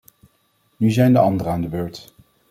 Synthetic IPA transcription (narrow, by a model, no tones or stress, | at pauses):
nyzɛjndəɑndəɾəaːndəbøːɹt